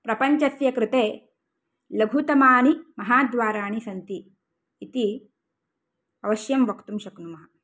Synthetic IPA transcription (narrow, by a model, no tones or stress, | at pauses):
pɾɐpɐɲt͡ʃɐsjɐkɾɪt̪eː | lɐɡʱut̪ɐmaːnimɐɦaːd̪ʋaːɾaːɳisɐnt̪iː | t̪i | ɐʋɐʃjɐmʋɐkt̪umʃɐknumɐɦɐ